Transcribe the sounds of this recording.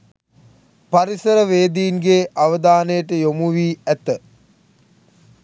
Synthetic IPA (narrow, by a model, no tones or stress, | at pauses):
paɾisəɾəʋeːd̪iːnɡeːʔaʋəd̪aːnəjəʈəjomuʋiːæt̪ə